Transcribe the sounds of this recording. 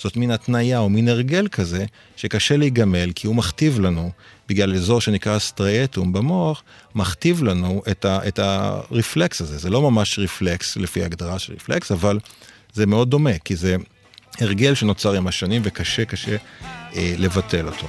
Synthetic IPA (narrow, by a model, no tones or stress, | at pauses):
z̥o̞tminatnajaomineʁɡe̞lkʰaze̞ | ʃe̞kaʃe̞leiɡame̞lkʰiumaχtivlanubiɡlalezo̞ʁʃe̞nikʁastʁaetumbamoaχmaχtivlanuʔetaʔeta̰ʁifleksaze̞zelo̞mamaʃʁifle̞kslefiaːɡdaʁaʃelʁḭfleksaval | zemeo̞d̚ːo̞me̞kize̞ | eʁɡe̞lʃe̞no̞t͡saʁimaʃanimvekaʃe̞kaʃe̞ʔele̞vatʰe̞lo̞tʰo̞